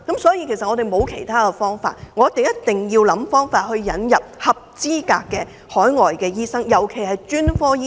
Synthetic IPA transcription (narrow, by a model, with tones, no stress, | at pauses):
kɐ˨˥msɔː˨˥jiː˧kʰe˨˩jsɐ˨t̚ŋɔː˨˧ɾe˨jmo˨˧wkʰe˨˩jt̪ʰaː˥kɛ˧fɔː˥ŋfa̰ː˧t̚ŋɔ˨˧jɐ˥t̪e˨˩ŋjɐ˥t̚t̪ɪ˨ŋjiː˧wlɐ˨˥mfɔː˥ŋfaː˧t̚hɵ˧ɥːɐ˨˥njɐ˨p̚hɐ˨p̚t͡siː˥ka̰ː˧kːɛː˧ | hɔː˨˥jŋɔː˨jkɛː˧jiː˥sɐ˥ŋjɐ˨˩wkʰe˨˩jhɐ˨jt͡ʃyː˥nfɔː˥˦˥